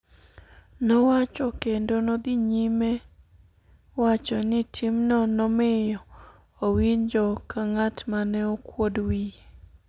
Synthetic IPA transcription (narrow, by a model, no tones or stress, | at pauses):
nɔwat͡ʃɔkendonod̪iɲime | wat͡ʃɔnɪtʰimnɔnɔmɪjɔː | wiɲd͡ʒɔkaŋatmanɛokwodwi